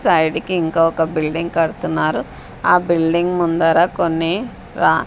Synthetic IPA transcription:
sɐjɖikiːŋkaːɔkɐbilɖiŋɡkɐɽut̪unːaːɾu | aːbilɖiŋɡmund̪aːɾaːkonːi | ɾaː

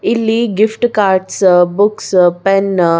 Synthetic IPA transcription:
ilːiɡifʈkaɾʈsbukspɛn

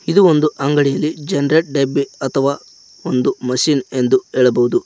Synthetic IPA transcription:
id̪uo̞nd̪uʔɐŋɡɐɽijɐlːid͡ʒɐnɐɾeʈ̚ɖebːiɐt̪ʰɐʋaː | ond̪umɐʃiːne̞nd̪ueːɭɐbɐʋud̪u

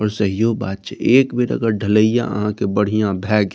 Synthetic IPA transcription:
ɔːɾsəɦijoba̰ːd̪̚t͡ʃəeːkbeːɾə̰ɡəɾɖʱələijã̰ə̰ɦãkebəɽ̤ijãbʱɛːɡ

